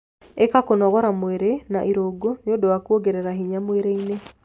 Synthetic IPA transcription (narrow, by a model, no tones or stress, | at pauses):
ekakonɔɣɔɾamweɾenaʔiɾoɡoɲodowakuoɡeɾeɾaɦiɲamweɾeine